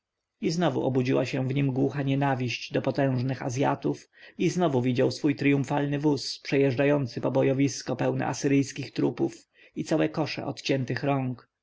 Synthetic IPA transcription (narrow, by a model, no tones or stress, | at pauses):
iznɔvṵʔɔbud͡ʑiwaɕɛ̃vɲimɡwuxaɲɛnavʲiɕt͡ɕd̪ɔpɔt̪ɛ̃w̃ʐnɘxa̰zʲja̰t̪uf | iznɔvuvʲid͡ʑawsfujt̪ɾijũɱfalnɘvuspʂɛjɛʐd͡ʐajɔnt̪sɘpɔbɔjɔvʲiskɔpɛwnɛ̰asɘɾɘjskʲixt̪ɾupuf | it̪sawɛkɔʂɛ̰ʔɔt̪t͡ɕɛnt̪ɘxɾɔŋk